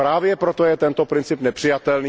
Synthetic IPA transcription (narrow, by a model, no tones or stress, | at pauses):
pɾaːvjɛpɾot̪ojɛt̪ɛnt̪opɾɪnt͡sɪpnɛpr̥ɪjat̪ɛlniː